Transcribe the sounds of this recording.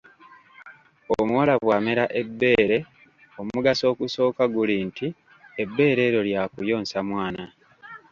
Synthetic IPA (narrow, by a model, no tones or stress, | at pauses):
omuwalaβwaːmeɾaʔe̞bːe̞ːɾe̞ | o̞muɡaso̞ːkuso̞ːkaɡulinti | e̞bːe̞ːɾe̞ːɾo̞ljakujo̞ːnsamwaːna